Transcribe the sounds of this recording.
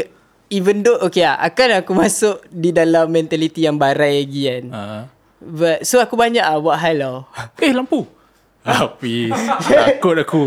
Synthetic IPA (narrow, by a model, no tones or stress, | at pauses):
ivəndoʔokeaa̰kanakumasʊʔdidalamːɛnt̪alit̪ijaŋbaɾajlaɡian | bat̪̚soakubaɲaʔabuaʔɦajlawkelampu | apiakʊt̪aku